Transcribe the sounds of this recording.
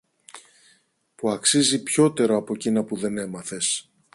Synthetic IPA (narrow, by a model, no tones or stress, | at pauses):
puɐksizipço̞t̪e̞ɾoɐpo̞cinɐpuðe̞ne̞mɐθe̞s